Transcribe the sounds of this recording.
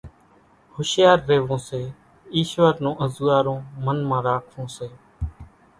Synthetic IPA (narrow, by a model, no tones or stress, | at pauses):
hʊʃjaːɾːeːʋõːseː | iːʃʋaːɾnõːʔəzuːaːɾõːmənmãːɾaːkʰʋõːseː